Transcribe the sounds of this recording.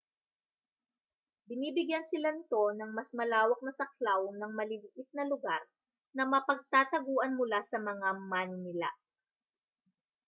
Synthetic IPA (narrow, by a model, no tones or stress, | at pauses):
bɪniːbɪɡjansɪlanɪt̪o̞nɐŋmɐsmɐlaːwɐk̚nɐsɐk̚lawnɐŋmɐlɪlʔɪt̪̚nɐlʊɡaɾ | nɐmɐpɐɡ̚t̪aːt̪ɐɡuːʔɐnmʊlasɐmɐŋamanɪnɪla̰